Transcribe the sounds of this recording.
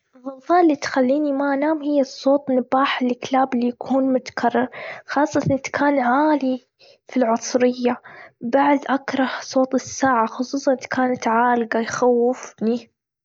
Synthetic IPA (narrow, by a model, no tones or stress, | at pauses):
ðˤɑfɑːʔlːit̪xalːiːnimaʔanaːmhɪjːasˤːoːt̪ˤnɪbaːħɪlːɪklaːblːijakʰuːnmʊt̪ḁkʰarˤːɑɾxɑːsˤːɑt̪ɑnɪt̪kaːnʕaːli | filʕʊsˤɾɪjːabaʕd̪ʔakɾˤɑhsˤoːt̪ˤɪsːaːʕaxʊsˤuːsˤɑnʔt̪kaːnat̪ʕaːlɡajxawːɪfni